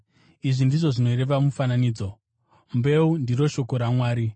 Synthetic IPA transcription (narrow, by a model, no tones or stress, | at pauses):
iʐindiʐo̞ʐino̞iɾe̞ʋamufananiːd͡zo̞ | mbe̞undiro̞ʃo̞ko̞ɾamwaːɾi